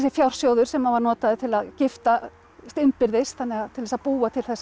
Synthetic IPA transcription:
s̬ɪfjawɾ̥sjowðʏɾ̥sɛmːavaɾnɔːt̪aðɪt̪ʰɪlaðcɪft̪a | st̪ʏmpɪɾðɪst̪θanːɛɣaðt̪ʰɪlvɛsapuːat̪ʰɪlθɛsː

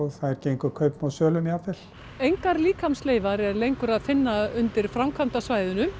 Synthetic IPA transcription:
θaðɛɾcejŋkʏkʰœɥpnawsœːlʏmiaːfɛl̥ | ejŋkaɾliːkʰamsleːjvaɾɛɾlejŋkʏɾaðfɪnːaʏnt̪ɪɾ̥fɾamkʰvant̪asvaːjðʏnʏm

